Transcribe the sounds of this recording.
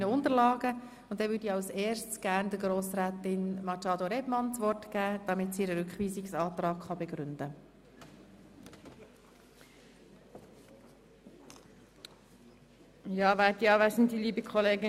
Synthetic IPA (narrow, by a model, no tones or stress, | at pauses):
nəʊnd̪əɾlɑːɡə | ʊnt̚d̥ɛʋʏdiɑʊsɛːɾʃtsɡ̥æɾndəɡɾoːsɾæːtɪnmɑt͡ʃɑːd̪oɾɛbmɑnt͡sʋɔrtɡ̥æːd̥ɑmɪtsiɾəɾʏkχʋiːsɪksɑːt̪rɑːkχɑbeɡ̥ɾʏndə | jɑːʋæːtdiɑːʋæːsn̩diliːbəkʰɔleːɡɪ